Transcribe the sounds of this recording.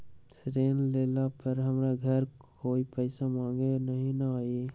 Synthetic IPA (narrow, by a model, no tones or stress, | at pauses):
sɾeːnleːlapɐɾɦɐmɾaɡʱɐɾkʰ | oːipɛːsamãːŋɡenɐɦĩnaaːe